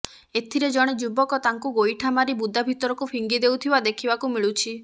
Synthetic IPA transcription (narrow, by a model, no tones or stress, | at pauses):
et̪ʰiɾed͡ʒɔɽ̃ed͡ʒubɔkɔt̪aŋkuɡojʈʰamaɾibud̪ʱabʱit̪ɔɾɔkupʰiŋɡid̪ewt̪ʰibad̪ekʰibakumiɭut͡ʃʰi